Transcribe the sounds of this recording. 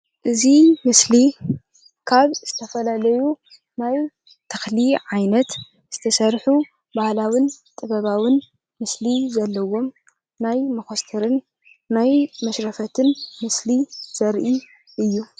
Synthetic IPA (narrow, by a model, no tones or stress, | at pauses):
ʔɨzimɨsli | kʰaβz̥ɨt̪ʰɐfɐlalɐju | naj | t̪ʰɐxliʕajnɐt̪ | z̥ɨt̪ʰɐsɐɾħu | bahlawint̪ʼɨβɐβawɨn | mɨslizɐlːɐwo̞m | najmɐxost̪ʰɐɾɨnː | ajmɐʃɾɐfɐt̪ʰɨnmɨsliz̥ɐɾʔi | ʔɨjːu